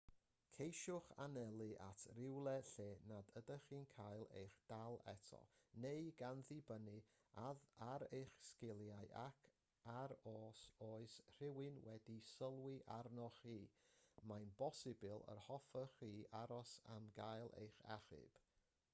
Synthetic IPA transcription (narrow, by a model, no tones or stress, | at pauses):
kʰejʃʊχa̰nɛlˠɨʔa̰tʰrɪwlˠɛɬeːnadədəχiːnkʰajlˠḛjχd̥alˠɛ̰tʰɔ̰nejɡanðɨbənɨ | aðaɾejχskɪlˠjajʔa̰kʰ | aɾoːsoːɨsr̥ɪwɨnwɛdisəlˠwɪʔarnɔχiːmajnbɔsɨbɨlˠə̰rhɔfəχiːaɾɔsamɡajlˠḛjχa̰χɨ̰b̥